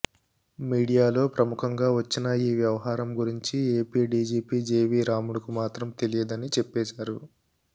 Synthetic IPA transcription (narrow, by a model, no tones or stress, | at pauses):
miːɽijaːlo̞ːpɾɐmukʰɐŋɡaːʋɐt͡ʃːinɐiːʋjɐʋɐɦaːɾɐmɡuɾiɲt͡ʃieːpiːɖiːd͡ʒiːpiːd͡ʒeːʋiːɾaːmuɽukumaːt̪ɾɐmt̪e̞lijɐd̪ɐnit͡ʃepːɛːʃaːɾu